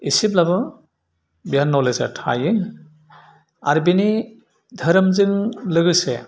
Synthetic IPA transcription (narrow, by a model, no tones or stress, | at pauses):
isiblaβɔ | bjanːɔleza̰ɾtʰa̰jɯŋ | a̰ɾibini | dʱəɾɯmzɯŋlɯɡɯse